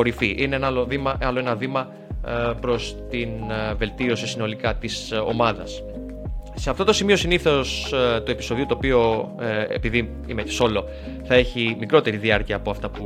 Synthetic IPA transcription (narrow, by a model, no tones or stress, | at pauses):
o̞ɾifiʔineenloðimɐʔɐlo̞e̞nɐðimɐ | pɾo̞st̪inve̞lt̪io̞sisino̞likɐt̪iso̞̰mɐðɐs | se̞ɐft̪o̞t̪osimio̞siniθo̞st̪ue̞piso̞ðiot̪oːpio̞ḛpiði | imeceso̞lo̞ | θɐe̞çimikɾo̞t̪e̞ɾiðiɐɾciɐːpo̞ɐft̪ɐpu